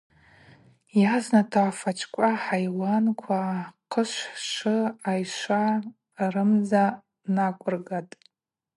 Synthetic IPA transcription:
jaznatʰaʕfat͡ʃʰʼkʷʼaħajwankʷʰaqʰəʃʷħʂɨajʃʷa | rɨmza | nakʷʼʊrɡatʼ

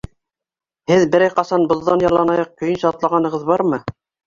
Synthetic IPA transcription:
hɘðbɘ̆ɾæjqɑsɑnbŏðːɑnjɑlˠɑnɑjɑq̚kɵ̆jɘnʃɑt̪lˠɑʁɑnɤ̆ʁɤðbɑɾmɤ

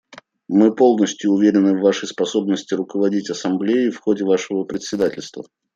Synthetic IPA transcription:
mɨpo̞lˠnəsʲtʲjʊːvʲeɾʲɪnɨvːaʂəjspɐso̞bnəsʲtʲɪɾʊkəvɐdʲitʲɐsɐmblʲejɪfxodʲɪvaʂɨvəpɾʲɪt̪ʲsʲɪd̪atʲɪlʲst̪və̰

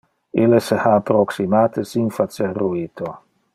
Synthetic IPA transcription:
ilesehaːpːɾoksimaːt̪esinfat͡serːuit̪ʰo

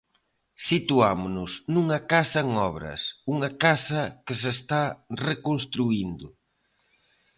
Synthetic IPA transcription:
sit̪uamʊnʊsnuŋɐkasɐŋɔβɾɐ̰suŋɐkasɐkɪsest̪arekonst̪ɾuind̪ʊ

